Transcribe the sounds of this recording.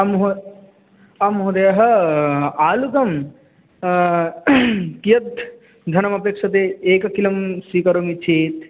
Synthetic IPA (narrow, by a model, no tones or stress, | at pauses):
ɐmɦ | ɐmɦod̪ɐjɐɦɐ̆ | aːlukɐm | kijɐd̪̚ | d̪ʱɐnɐmɐpekʂɐt̪eeːkɐkilɐmsikɐɾomit͡ʃʰeːt̪